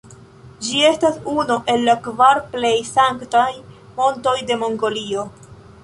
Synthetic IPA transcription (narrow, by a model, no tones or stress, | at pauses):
d͡ʒie̞stasunoʔe̞lːakvaɾplejsaŋktaj | mo̞nto̞jde̞mo̞ŋɡo̞lio̞